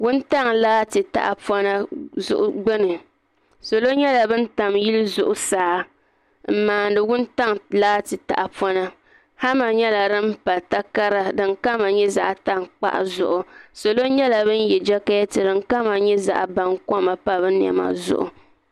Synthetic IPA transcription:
wʊ˦nta˦ŋlaː˦tɨ˨ta̰˨ʔa˨pɔ˦na˦zʊ̰˦ʔʊ˦ɡ͡bɛ˦nɨ˨ | so˨lo˦ɲɛ˦la˨bɨ˦n̩˦ta˨mji˦lɨ˦zʊ̰˨ʔʊ˨saː˨˦ | m̩˨maː˨n˦dɨ˨wʊ˦n˦ta˦ŋlaː˦tɨ˨ta̰˨ʔa˨pɔ˦na˦ | ha˦ma˨ɲɛ˦la˨dɨ˦m̩˦pa˨lta˦ka˦ɾa˦dɨ˨ŋka˦ma˨ɲɛ˦za̰˦ʔa˨ta˦ŋk͡pa̰˦ʔa̰˨zʊ̰˨ʔʊ˨so˨lo˦ɲɛ˦la˨bɨ˦n˦jɛ˨d͡ʒɛ˦ka˦jɛ˦tɨ˨dɨ˨ŋka˦ma˨ɲɛ˦za̰˨ʔba˨ŋkɔ˦ma˨pa˦bɨ˦n˨ɛ̰˨ma̰˨zʊ̰˦ʔʊ̰˨

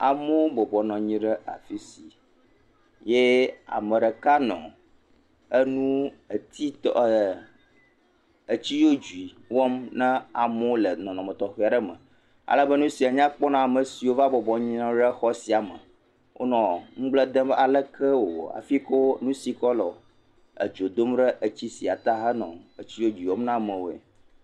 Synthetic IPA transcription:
a̰˨mõ˦bɔ˨bɔ˨nɔ̃˨ɲĩ˦ɖə˦a̰˨fi˦si˨ | je˦a̰˨mə̃˨ɖə˨ka˦nɔ̰̃˨ | ə˦nũ˦ə˨t̪ʰi˦t̪ɔ˨ə˨ | ə˨t͡ɕi˦jo˦d͡ʒu˨i˨ | wɔ˦mnã˦a˨mo˦lə˨nɔ̃˨nɔ̃˨mə̃˨t̪ɔ˨xi˦˨a˨ɖə˦mə̰̃˨ | a̰˨lə˦bə˦nũ˦si˨a˨ɲã˦k͡pɔ˦nã˦a˨mə˨si˨wo˦va˦bɔ˨bɔ˨ɲĩ˦nã˦ɖə˦xɔ˦si˨a˨mə˨ | wʔo̰˦nɔ̃˨ŋ̩̃˦ɡ͡blə˦d̪ə̃˦a˨lə˦kʰə˦wo˨w̰a̰˨fi˦ko˦nũ˦si˨kɔ˦lɔ˨ | ə̰˨d͡ʒo˨d̪o˦mɖə˦ʔə˨t͡ɕi˦si˨a˨t̪a˦ɦə˦nɔ̰̃˨ə˨t͡ɕi˦jo˦d͡ʒu˨i˨wɔ˦mnã˦mə̃˨wo˨ḛ˨

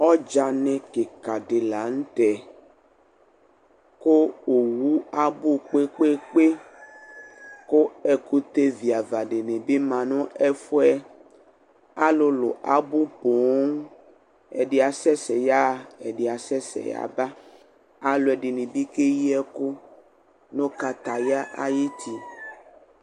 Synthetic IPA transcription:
ɔ˦d͡ʒa˨nɛ̃˨ke˨ka˨ɖe˨la˨ŋ̩˦t̪ɛ˨ | ko˦o˨wu˦a˦bu˦k͡pe˦k͡pe˦k͡pe˦ | ko˦ɛ˨ku˦t̪e˦vi˨a˨va˨ɖe˨nẽ˨be˦mã˨nʊ̃˦ɛ˦fo˦ɛ˦ | a˦lo˨lo̰˨ʔa˨bu˦po˨˦ŋ | ɛ̰˨ɖe˨a˨sɛ˦sɛ˨ja˦ɛ˨ɖe˨a˨sɛ˦sɛ̰˨ja̰˨ba˦ | a˦lo˨ɛ˨ɖe˨nẽ˨bi˦ke˦ji˦ɛ˦ko˦ | nõ˦ka˨t̪a˨ja˦ʔa̰˦ji˦t̪ʰi˨

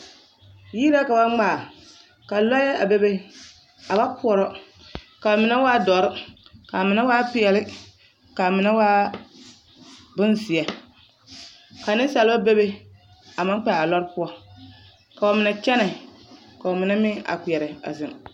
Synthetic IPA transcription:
jiː˦la˦ka˨ba˦ŋ͡maː˦˨ | ka˨lɔ˦jɛ˦ʔa˨be˦be˦ | a˨ba˦pʰʊ˦ɔ˨ɾɔ˦ | ka˨mɪ˨na˦waː˦dɔ˨ɾɪ˦ka˨mɪ˨na˦waː˦pɪ˨ɛ˨lɪ˦ | ka˨mɪ˨˦na˦waː˦ | bʊ˦nsɪ˨ɛ˨ | ka˨nɪ˦sa˨lba˦be˦be˦ | a˨ma˦ŋ˦k͡pɛ˨a˨lɔ˦ɾɪ˦pʊ˦ɔ˦ | ka˨ɔ˨mɪ˨nɛ˨t͡ʃɛ˦nɛ˨ | ka˨ɔ˨mɪ˨na˦mɪ˦a̰˨k͡pi˨ɛ˨ɾɪ˨a̰˨zɪ˨m

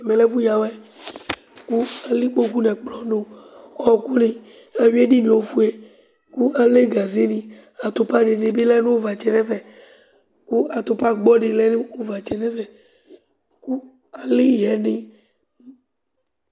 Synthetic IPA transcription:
a˨mẽ˨lɛ˦vu˦ja˨wɛ˦ | ku˦a˨li˦k͡po˦ku˦nɛ̃˨k͡plɔ˨˦no˦ɔ˦˨ku˦nĩ˨ | a˨wi˦e˦ɖi˦nĩ˨wo˦fu˦e˦ | ku˦ʔa˨le˦ɡa˨ze˦nĩ˨ | a˨t̪o˨pa˦ɖe˨nẽ˨be˦lɛ˦nẽ˦wo˦va˨t͡ʃɛ˨nɛ̃˦vɛ˨ | ku˦a˨t̪o˨pa˦ɡ͡bɔ˦ɖe˨lɛ˦ne˦o˦va˨t͡ʃɛ˨nɛ̃˦vɛ˨ | ku˦ | a˨li˦˨ɦɛ˨nĩ˨

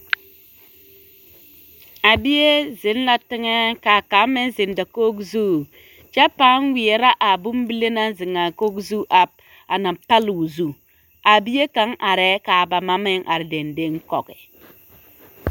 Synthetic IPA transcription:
a˨bi˦je˦zɪ˨˦n˦la˦tɪ˦ŋɛ˦ka˨ka˨˦mɪ˦n˦zɪ˨n˦da˨koː˦kzu˦ | t͡ʃa˦pa˦nwɪ˨e˨ɾa˦ʔa˨bu˦m˦bi˦le˦na˦zɪ˨ŋa˨ko˦kzu˦ʔa˦p̚ | a˨na˨pa˦lu˨zu˦˨ | a˨bi˦je˦ka˨˦ŋʔa˨ɾɛ˦kaː˨ba˨ma˦mɪ˦ŋʔa̰˨ɾɪ˨de˨nde˦ŋkɔ˨kɪ˨

